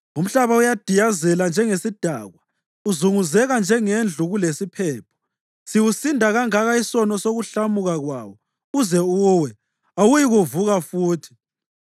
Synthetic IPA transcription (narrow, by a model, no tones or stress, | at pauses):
um̩ɬaβaujad̥ʱijazɛland͡ʒʱɛŋesid̥ʱa̰ːɣwa | uzuŋuzɛɣand͡ʒʱɛŋend͡ɮʱuɣulesipʰɛːpʰɔ̥ | siwusindʱaɣaŋaɣaisɔnɔsoɣuɬamuɣaɣwa̰ːwɔ | uzɛuːwɛ | awujiɣuvuɣafuːtʰi̥